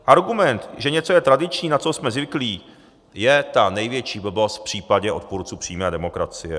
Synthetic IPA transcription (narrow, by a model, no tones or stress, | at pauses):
ʔaɾɡumɛnt̪ʒɛɲɛt͡sojɛt̪ɾadɪt͡ʃɲiːnat͡so̞smɛzvɪkliː | jɛt̪anɛjvjɛt͡ʃiːbəbosfpr̝̥iːpaɟɛʔo̞t̪̚puɾt͡suːpr̝̥iːmɛːdɛmo̞kɾat͡sɪjɛ